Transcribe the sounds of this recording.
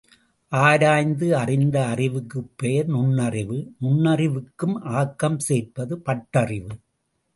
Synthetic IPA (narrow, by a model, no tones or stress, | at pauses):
ʔaːɾaːjnd̪ɯɐrɪnd̪ɐːrɪʋɯkːɯpːejɐɾnʊnːɐrɪʋɯnʊnːɐrɪʋɯkːɯmʔaːkːɐmseːɾpɐðɯpɐʈːɐrɪʋɯ